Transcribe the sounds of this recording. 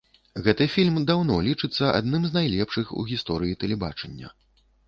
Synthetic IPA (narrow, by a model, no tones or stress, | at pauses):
ɣɛt̪ɨfʲilʲmd̪awnɔlʲit͡ʂɨt̪sːɐʔa̰d̪nɨmznajlʲɛpʂɨxṵɣʲist̪ɔɾɨjit̪ɛlʲɛba̰t͡ʂɛnʲːɐ̰